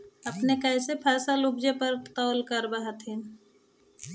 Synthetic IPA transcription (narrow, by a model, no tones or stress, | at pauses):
ɐpnekɐɪsepʰaːsalʊbd͡ʒepəɾt̪ɔːlkəɾbaɦat̪ĩ